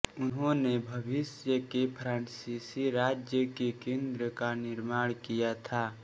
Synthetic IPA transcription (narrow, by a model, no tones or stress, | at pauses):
ʊnɦõnebʱəbɪsjəkepʰɾaːnsisiɾaːd͡ʒjəkekẽːnd̪ɾəkanɪɾmaːɽ̃kijat̪ʰaː